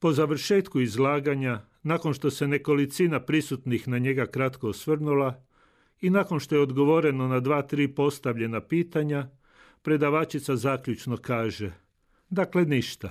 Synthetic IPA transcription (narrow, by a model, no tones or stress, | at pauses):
po̞zaʋr̩ʃe̞ːt̪kuizlaːɡaɲa | nako̞nʃt̪o̞se̞ne̞ko̞lit̪sinapɾisut̪nixnaɲe̞ɡakɾat̪ko̞osʋr̩nula | inako̞nʃt̪o̞jeod̪ɡo̞ʋo̞ɾe̞no̞nad̪ʋaːt̪ɾiːpo̞st̪aʋʎe̞napiːt̪aɲa | pɾe̞d̪aʋaːt͡ʃit̪sazaːkʎut͡ʃno̞kaːʒe̞ | d̪akle̞niʃt̪a